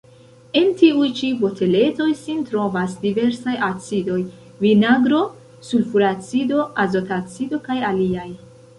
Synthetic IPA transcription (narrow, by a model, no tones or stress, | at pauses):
e̞ntiujt͡ʃivo̞tʰe̞le̞to̞jsintɾo̞vasdive̞ɾsajat͡sido̞j | vinaɡɾo̞ | sulfuɾat͡sido̞azo̞tat͡sido̞kajaliaj